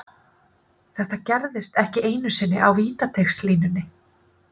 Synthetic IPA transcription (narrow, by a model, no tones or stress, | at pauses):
θɛht̪acɛɾðɪst̪ɛhcɪʔeːjnʏsɪnːɪʔawviːt̪at̪ʰexsliːnʏnːɪ